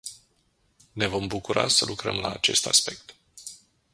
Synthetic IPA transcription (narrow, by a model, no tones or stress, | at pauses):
ne̞vo̞mbukuɾasəlʔukɾəmlaːt͡ʃe̞st̪aspe̞k̚t̪